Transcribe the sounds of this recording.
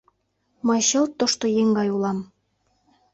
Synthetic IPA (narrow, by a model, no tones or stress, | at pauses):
mɤjɕɤ̆lt̪ːoʃt̪ojeŋɡɑjulɑm